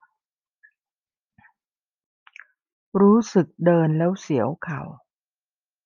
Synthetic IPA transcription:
ɾuː˦˥sɯ˨˩k̚dɤː˧nlɛː˦˥wsi˩˦əwkʰa̰˨˩w

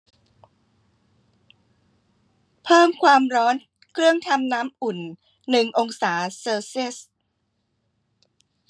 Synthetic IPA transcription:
pʰɤː˥˩mkʰwaː˧mɾɔː˦˥n | kʰɾɯ˥˩əŋt̪ʰa˧mnaː˦˥mʔu˨˩nː | ɯ˨˩ŋʔo˧ŋsaː˩˦sɤː˧si˥˩s

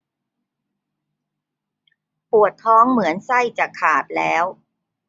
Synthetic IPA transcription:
pu˨˩ət̪ʰːɔː˦˥ŋmɯ˩˦ənsa˥˩jt͡ɕaː˨˩kʰːaː˨˩p̪̚lɛː˦˥w

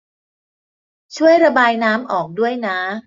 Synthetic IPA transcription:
t͡ɕʰu˥˩əjɾa˧baː˧jnaː˦˥mʔɔː˨˩k̚du˥˩əjna˦˥

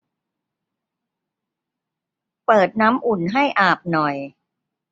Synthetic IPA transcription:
pɤː˨˩t̪̚naː˦˥mʔu˨˩nɦa˥˩jʔaː˨˩p̚nɔ˨˩j

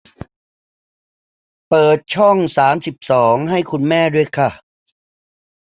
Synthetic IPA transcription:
pɤː˨˩t̪̚t͡ɕʰɔ˥˩ŋsaː˩˦msi˨˩p̚sɔː˩˦ŋɦa˥˩jkʰu˧nmɛː˥˩du˥˩əjkʰa˥˩

